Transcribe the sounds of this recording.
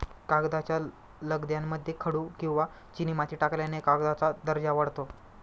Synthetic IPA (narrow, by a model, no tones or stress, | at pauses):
kaɡd̪at͡ɕja | ləɡd̪jamːəd̪ʱːjekʰəɽuːkĩw̃ʋa | t͡ɕinimat̪ʰiːʈakljanekaɡd̪at͡sad̪əɾd͡ʑaʋəɽt̪o